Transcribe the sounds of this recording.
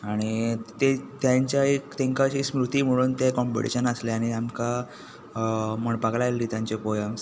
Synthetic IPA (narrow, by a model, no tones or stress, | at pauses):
aɽ̃it̪et̪jaɲt͡ɕjaekt̪ẽŋkaɕiːsmɾut̪iːm̤əɽ̃uːnt̪ekɔmpḭʈḭɕənəsleaɽ̃iamka | m̤əɳpaklaelːiːt̪jãɲt͡ɕepɔjə̃ms